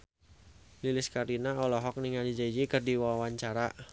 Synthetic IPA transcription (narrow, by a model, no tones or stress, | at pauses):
lilɪskaɾinaɔlɔɦɔk̚niŋald͡ʒid͡ʒaid͡ʒikərdiwawaɲt͡ʃaɾa